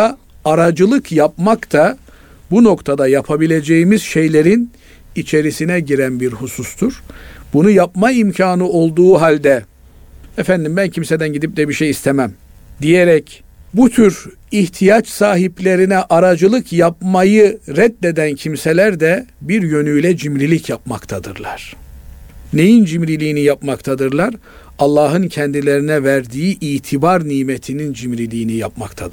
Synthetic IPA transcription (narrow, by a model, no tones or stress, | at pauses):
aɾad͡ʒɯlˠɯkjapmakt̪ʰa | buno̞kt̪ʰad̪ajapʰabilʲe̞d͡ʒejimiz̥ʃe̞jlʲe̞ɾin | it͡ʃʰe̞ɾisinɛɟiɾænbiɾhusust̪ʰuɾ̥bunujapmaimcʰaːnɯo̞lˠd̪uːɦalʲd̪ɛ | efænd̪imbæncʰimse̞d̪ænɟid̪ip̚d̪ɛbiʃejist̪ʰemæm | d̪ijeɾɛc | but̪ʰyɾ | içt̪ʰijat͡ʃsaːɦiplʲe̞ɾinɛʔaɾad͡ʒɯlˠɯkjap̚majɯɾɛd̪ːe̞d̪æncʰimselʲæɾd̪ɛbiɾjø̞nyjlʲɛd͡ʒimɾilʲicʰjapmakt̪ʰad̪ɯɾlˠa̰ɾ̥ | ne̞jind͡ʒimɾilʲiːnijapmakt̪ʰad̪ɯɾlˠaɾ | alˠːaːɦɯncʰɛnd̪ilʲe̞ɾinɛvæɾd̪iːʔiːt̪ʰibaɾniːmet̪ʰinind͡ʒimɾilʲiːnijap̚makt̪ʰad̪ɯɾ